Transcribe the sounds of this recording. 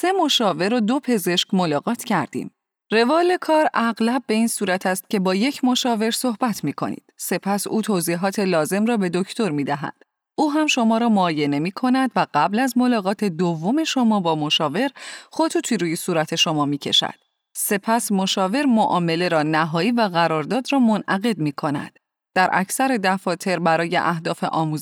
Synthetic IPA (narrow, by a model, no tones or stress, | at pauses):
se̞moʃɒːve̞ɾod̪o̞pʰe̞ze̞ʃcmolɒːɣɒːt̪ʰcʰæɾd̪ḭːm | re̞vɒːle̞kʰɒːɾæɣlæb̚ːe̞iːnsuːɾæt̪ʰæst̪̚cʰe̞bɒːje̞cʰmo̞ʃɒːve̞ɾso̞hbæt̪ʰmiːkʰo̞̰nḭːd̪̥se̞pʰæsuːt̪ʰoziːɦɒːt̪ʰe̞lɒːze̞mrɒːbe̞d̪o̞ct̪o̞ɾmiːd̪æɦæ̰d̪̥ | uːɦæmʃo̞mɒːɾɒːmoɒːje̞ne̞miːkʰo̞næd̪væɢæblæzmo̞lɒːɣɒːt̪ʰe̞d̪ovːo̞me̞ʃo̞mɒːbɒːmoʃɒːve̞ɾχo̞t̪ʰuːt̪ʰiːɾuːjesuːɾæt̪ʰe̞ʃo̞mɒːmiːcʰe̞̰ʃæ̰d̪̥̚ | se̞pʰæsmo̞ʃɒːve̞ɾmoʔɒːme̞le̞ɾɒːnæɦɒːiːvæɣæɾɒːɾd̪ɒːd̪rɒːmo̞nʔæɣe̞d̪miːkʰo̞næ̰d̪̥ː | æɾʔæ̰cʰsæɾe̞d̪æfɒːt̪ʰe̞ɾbæɾɒːje̞̰ʔæhd̪ɒːfe̞̰ʔɒːmuːz